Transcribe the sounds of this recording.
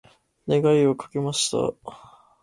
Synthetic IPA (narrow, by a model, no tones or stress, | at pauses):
ne̞ɡaiokḁke̞maɕi̥t̪a̰